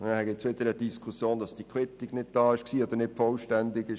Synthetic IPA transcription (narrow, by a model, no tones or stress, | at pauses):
hɛɡɛt͡sʋɪtəɾəd̥iskʰusjoːnd̥ɑsd̥ikʰɪtiknɪd̚d̥ɑːɪʃksiːoːd̪ənɪtfɔlʃtɛndɪɡɪʃ